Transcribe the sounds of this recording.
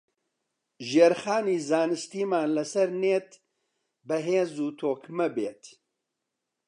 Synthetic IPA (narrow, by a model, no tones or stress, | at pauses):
ʒeːɾχaːniːzaːnɨst̪iːmaːnlɐsɐɾneːt̪ | bɐɦeːzuːt̪ʰoːkmɐbeːt̪